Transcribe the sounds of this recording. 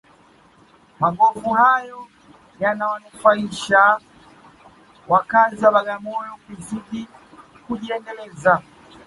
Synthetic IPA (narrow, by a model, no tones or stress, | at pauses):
maɠɔfuhajɔ | janawanufaiʃa | wʔakazaɓaɠamɔjɔkuzuɗi | kuʄiɛndɛlɛza